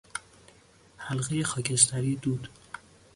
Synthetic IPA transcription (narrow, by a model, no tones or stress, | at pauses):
hælɣejexɒːcʰe̞s̬t̪ʰæɾiːd̪uːd̪̥